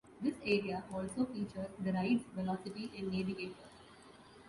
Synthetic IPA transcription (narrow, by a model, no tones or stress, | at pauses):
d̪ɪseːɾiaʔɔːlsoːfiːt͡ʃəɾd̪əɾaɪʈsfɪlɔːsɪfiʔɛ̃ɳɖneːʋɪɡeːʈəɾ